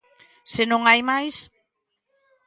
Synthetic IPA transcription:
senõŋajmajs

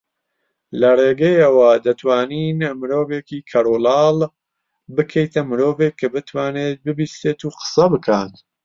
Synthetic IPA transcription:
lɐreːɡɐjɐwɐd̪ɐt̪ʰwaːniːnmɨɾo̞ːveːkiːkʰɐɾoːlɑːl | bɨkʰejt̪ʰɐmɨɾoːvekʰːɨbɨt̪ʰwaːneːt̪̚bɨbiːst̪eːt̪uːqə̥sɐbɨkʰaːt̪

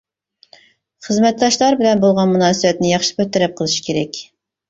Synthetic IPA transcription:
χəzmɛt̪̚d̪ɑʃlˠɑɾbɪlɛnbolˠʁɑnmunɑːsɨbɛt̪nɪjɑχʃɨ̥kʲʰøt̪ːɪɾɛp̚qʰəlˠɨʃɪ̥kʲʰeɾɛkʲ

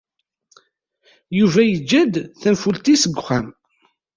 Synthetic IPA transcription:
juvæjəd͡ʒːæd̪θənfult̪isəɡʷχæm

